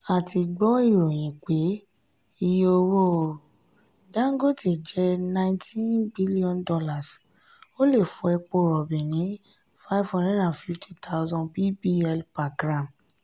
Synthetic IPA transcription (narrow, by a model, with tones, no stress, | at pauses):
a˨ti˧ɡ͡bɔ˦i˦˨ɾo˨j̃ĩ˨k͡pe˨˦ | i˧jo˧wo˦˨ | dã˦ŋ̩˦ɡo˦˨te˨d͡ʒɛ˦nã˦ĩntʰĩ˦nbi˦li˦ɔ̃˦ndɔ˧la˦˨s | o˦le˦˨fũ˨˧ɛ˧k͡po˦˨ɾɔ˨bĩ˨nĩ˨˦ | fa˦i˦vhɔ̃˦ndɛ˦da˨nfi˦ftʰi˦tʰa˦ʊ˦zɔ̃˧nbi˦bi˦ɛ˧lpa˨ɡɾa˨m